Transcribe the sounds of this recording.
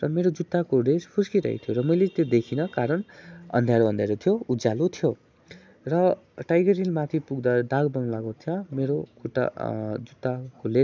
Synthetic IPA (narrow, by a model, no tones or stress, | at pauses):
rʌmeɾod͡zut̪ːakoɾespʰuskiɾʌ̰ɦḭt̪ʰjoɾʌmʌjlet̪jod̪ekʰinʌkaɾʌnʌ̰nd̪ʱjaɾoʌnd̪ʱjaɾot̪ʰjoud͡zalot̪ʰjo | rʌ | ʈajɡʌɾilmat̪ʰipuɡd̪ad̪aɡbʌŋlaɡot̪ʰjʌmeɾokuʈa̰d͡zut̪ːakole